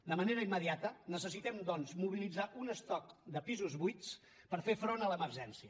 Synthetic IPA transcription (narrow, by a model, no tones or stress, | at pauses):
d̪əməneɾəimːəðiat̪ənəsəsit̪ɛmd̪ɔnzmuβ̞ilid͡zaʔunəst̪ɔk̚d̪əpizuzβujt͡s | pəɾfefɾonələməɾʒɛnsiə